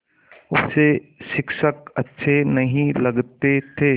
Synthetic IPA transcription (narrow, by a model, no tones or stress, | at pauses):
ʊsseʃɪkʃəkɐtːʃʰenɐɦĩlɐɡt̪et̪ʰeː